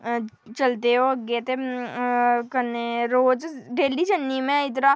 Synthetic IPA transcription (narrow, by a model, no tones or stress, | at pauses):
t͡ʃɐlt̪eɦoɐɡet̪e | kəneɾoːd͡ʒɖeːlid͡ʒənːimẽɪt̪na